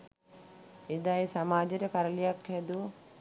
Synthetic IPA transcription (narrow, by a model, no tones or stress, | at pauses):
ed̪ajsamaːd͡ʒəɾəkaɾəlijakhɛd̪u